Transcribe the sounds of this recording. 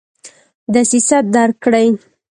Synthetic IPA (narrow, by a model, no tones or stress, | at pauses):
d̪əsisat̪̚d̪aɾkɽaj